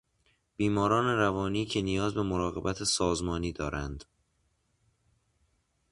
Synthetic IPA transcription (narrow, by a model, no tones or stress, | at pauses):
b̥iːmɒːɾɒːne̞ɾævɒːniːcʰe̞nijɒːzbe̞moɾɒːɣe̞bæt̪ʰesɒːzmɒːniːd̪ɒːɾænd̪̥